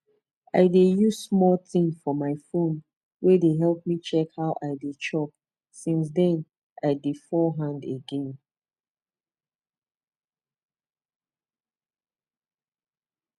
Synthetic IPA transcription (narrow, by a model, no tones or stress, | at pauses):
a̰ɪdejuz̥smɔltĩŋfɔmaɪfõn | wedeɦɛlˠp̚mit͡ʃɛkhaʊʔaɪdet͡ʃʰɔk̚ | sĩns̬dɛ̃n | aɪdefɔɦãndḛɡɛ̃n